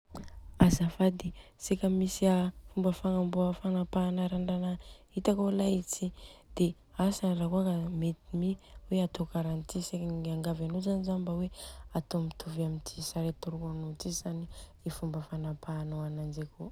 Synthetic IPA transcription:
azafad̪esekʲəmisiafumbəfaŋamboəfanapanaɾaɳɖ͡ʐanait̪akolajit͡sid̪̥e | asarakuakəmet̪imiweat̪okaɾant̪isekaaŋɡavanozanizanibaweat̪omit̪ʰuvamint̪ʰisaɾet̪uɾukanot͡sizani | ifumbəfanapanoanand͡ʒeko

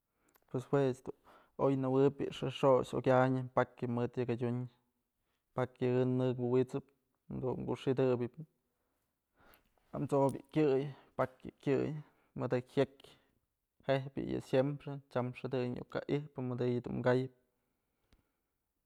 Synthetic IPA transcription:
pweswesd̪u | ojnɨwɨpʲɨ̰ʂɨʂoʃo̰kʲaɲɨpakjɨmɨd̪jakadʲuɲ | pakjɨhɨnɨkwɨwit͡sɨp̪̚ | d̪uɡṵʔʂid̪ɨbʲɨp | amt͡sobʲjɨ̰kʲɨjpakjɨ̰kʲɨj | mɨd̪ɨhʲjek | hehbʲjɨ̰jɨ̰sjempɾet͡ʃamʂɨd̪ɨɲṵka̰ʔihpɨmɨd̪ɨjɨd̪ṵnmɡajɨp̚

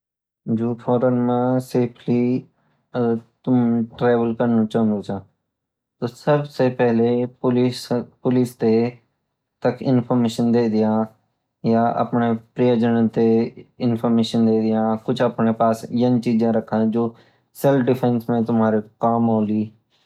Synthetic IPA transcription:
d͡ʒoːfʰɔːɾənmẽseːpʰli | t̪ʊmʈɾeːʋəlkəɾnũt͡ʃãnd̪oːt͡ʃʰãː | t̪oːsɐbsepɛɦlepʊlspʊlist̪e | t̪ɐkʰɪnpʰɔɾmeːʃənd̪eːd̪ɪjãː | jaʔɐ̰pnepɾijəd͡ʒənə̃t̪eɪnpʰəɾmeːʃənd̪eːd̪ɪjãkʊt͡ʃʰɐpnepaːsɪjənt͡ʃiːd͡ʒãɾɐkʰãd͡ʒoː | sɛlpʰɖɪpʰẽnsmẽt̪ʊmaːɾikaːmɦoːliː

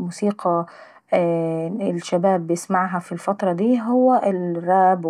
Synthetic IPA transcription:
musiːqʰɑ | ɪlʃabæːbːɪjɪsmaʕɦæfilfɑt̪ɾˤɑd̪iːɦʊwːæʔɪrˤːɑːb

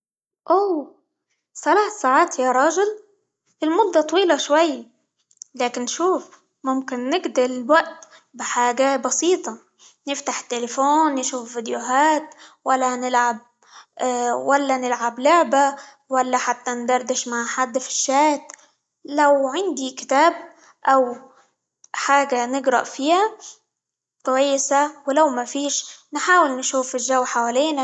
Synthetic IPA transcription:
ʔoː | θalaːθsaːʕaːt̪jaɾˤɑːʒɪl | ɪlmʊd̪ːɑt̪ˤɑwiːlɑʃwajː | laːkɪnːʃuːf | mʊmkɪnːɪɡd̪ɪɾɪlwaʔt̪ | bɪħaːɡabɑsiːt̪ˤɑ | nɪft̪aħt̪ːelɪfoːnːʃuːfvid̪jʊɦaːt̪walːanɪlʕab̚ | walːanɪlʕablʊʕba | walːaħat̪ːand̪ɑɾˤd̪ɪʃmaʕħad̪ːfɪ̥ʃːaːt̪ | lawʕɪnd̪ikɪ̥t̪aːb̚ | ʔaw | ħaːɡanɪɡɾɑ̰ʔfiːja | kwajːɪsawɪlawmafiːʃnħaːwɪlnʃuːfɪʒawːħawaːliːna

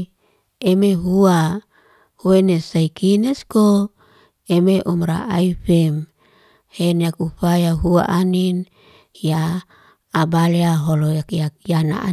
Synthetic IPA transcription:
emeɦua | huenesaikinesko | emeʔumɾa̰ʔaifɛm | henakuɸajaɦua̰ʔanin | jaː | baleaɦolojakjakjana̰ʔa

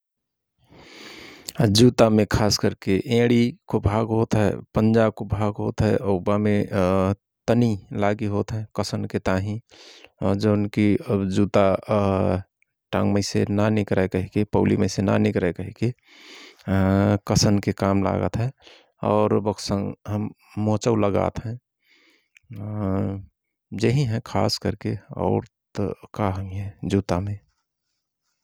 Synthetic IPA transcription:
d͡ʒut̪amẽkʰaːskəɾkeʔẽːɽikobʱaːɡɦot̪ɦɛ̰pənd͡ʒaːb̚kobʱaːɡɦot̪ɦɛ̰ʔobamẽ | t̪ənilaːɡiɦot̪ɦɛkəsənket̪aːɦĩ | d͡ʒənkid͡ʒuːt̪a | ʈã̰ŋməɪsenanɪkɾekəɦikepəʊlḭmẽsena̰nɪkɾɛkəɦike | kəsənkekaːmla̰ɡə̰t̪ɦɛ̃ | ɔːɾbəksə̃ŋɡɦəmː | õt͡ʃəuləɡa̰ːt̪ɦɛ̃ | d͡ʒəɦĩɦɛ̃kʰa̰ːskəɾkeɔ̰ʊɾt̪kaɦə̃ŋɦɛ̃d͡ʒut̪amẽ

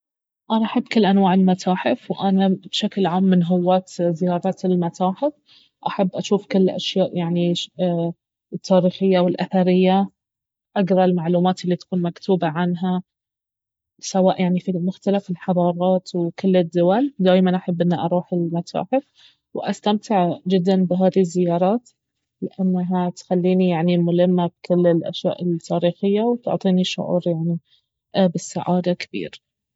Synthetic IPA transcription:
ʔanaʔaħabːkɪlːʔanwaːʕɪlmat̪ʰaːħɪfwʔanabʃaklʕaːmːɪnɦʊwːaːt̪zɪjɑːɾˤɑt̪ɪlmat̪aːħɪf | ʔaħabːʔaʃuːfkɪlːʔa̰ʃjaːʔjaʕni | t̪ʰːaːɾiːxɪjːawɪlʔaθaɾɪjːa | ʔaɡɾˤɑlmaʕluːmaːt̪ɪlːit̪ḁkuːnmakt̪uːbaʕanɦa | sawaːʔjʔaʕnifilmʊxt̪alafɪlħɑðˤɑːɾˤɑːt̪wkɪlːɪd̪ːʊwald̪aːjmanʔaħabːʔɪnːaʔɑɾˤuːħɪlmat̪ʰa̰ːħɪf | wʔast̪amt̪ɪʕd͡ʒɪd̪ːanbɪɦaːðizːɪjɑːɾˤɑːt̪ | lɪʔanːaɦat̪xalːiːnijaʕnimʊlɪmːab̚kɪlːɪlʔa̰ʃja̰ːʔɪlt̪ʰːaːɾiːxɪjːawt̪ʊ̰ʕt̪ˤiːniʃʊ̰ʕṵːɾjaʕni | bɪsaʕaːd̪akɪ̥b̥ḭːɾ

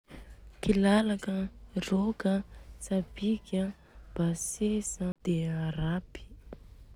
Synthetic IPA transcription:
kilalakərokəsabikʲə | b̥asesəd̪̥eaɾapi̥

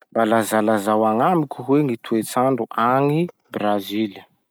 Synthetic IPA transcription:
mbalazalazawaŋamikʲuɦweŋit̪uet͡saɳɖ͡ʐuʔaŋi | brazilə

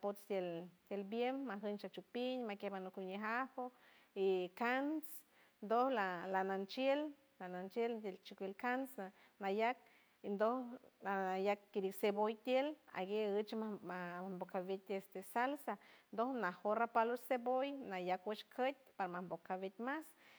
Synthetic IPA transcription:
apot͡st̪jelt̪ʲjelbjemmaɦənt͡ʃat͡ʃupiɲmakehmanukuɲeɦaho | ikans | nd̪ohlalanant͡ʃjel | lanant͡ʃelt̪elt͡ʃikʷilkansa | najak̚ | ind̪olaajakːiɾiksebojt̪jela̰ɡeət͡ʃ | ambokʰaβet̪ʲest̪esalsand̪ohnahoɾapalosebojnajakwat͡ʃkʰət̪̚ʲpaɾamambokʰaβet̪̚ʲmas

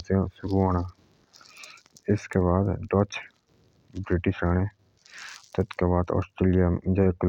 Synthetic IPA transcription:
sẽsʊɾuaːnaː | ɪskeβaːd̪ɖoːt͡ʃ | bɾɪʈɪʃaːne | t̪ɐt̪kebaːd̪ɔ̰ːsʈɾeːlijad͡ʒaːekl

